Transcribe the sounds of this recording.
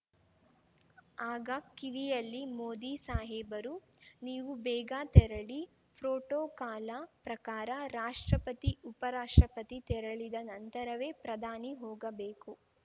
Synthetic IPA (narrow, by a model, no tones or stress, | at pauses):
aːɡɐkiʋijɐlːimoːd̪iːsaːɦɛːbɐɾu | niːʋubɛːɡaːt̪ɛɾɐɭi | pʰɾoːʈoːkaːlapɾɐkaːɾɐɾaːʂʈɾɐpɐt̪iupɐɾaːʂʈɾɐpɐt̪it̪ɛɾɐɭid̪ɐnɐnt̪ɐɾɐʋe̞ːpɾɐd̪ʱaːniɦɔːɡɐbeːku